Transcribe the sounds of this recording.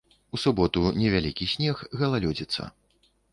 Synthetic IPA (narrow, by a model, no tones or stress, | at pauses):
usubɔt̪unʲɛvʲalʲikʲisʲnʲɛxɣɐlˠalʲɔd͡zʲit̪sːɐ̰